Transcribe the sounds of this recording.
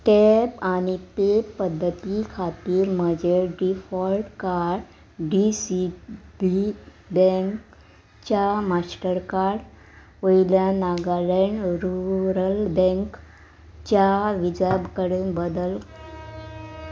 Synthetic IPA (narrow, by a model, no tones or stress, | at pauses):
ʈɛpanipepəd̪ʱːət̪ikʰat̪iːɾməd͡ʑeɖifɔlʈkaɾɖ | ɖisibi | bɛ̃ŋk | t͡ɕamasʈəɾkaɾɖ | ʋoiljanaɡaleɳɖɾuɾəlbɛ̃ŋk | t͡ɕaʋid͡ʑabkəɽenbəd̪əl